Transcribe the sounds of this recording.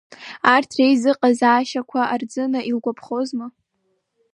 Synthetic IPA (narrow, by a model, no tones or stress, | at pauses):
artʰrejzɨqʼazaːʃakʷʰaard͡zɨnaʔilɡʷapʰχozma